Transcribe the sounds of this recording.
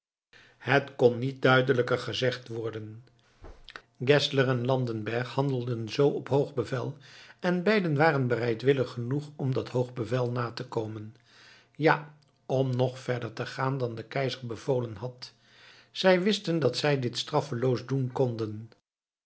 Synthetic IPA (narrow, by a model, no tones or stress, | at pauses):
hətkɔnːit̚dœɥdələkəɹχəzɛχtʋɔɹdən | ɡɛslərɛnlɑndənbɛɹχhɑndəl̩ˠdənzowɔpɦowχbəvɛlˠɛnbɛjdənʋaːrənbərɛjtʋɪləχənuχɔmdɑtɦowχbəvɛlˠnaːtəkowmən | jaː | ɔmnɔχfɛɹdəɹtəχaːndɑndəkɛjzəɹbəv̥oːlənɦɑt | z̥ɛjʋɪstəndɑtsɛjdɪtstrɑfəlowzdunkɔndən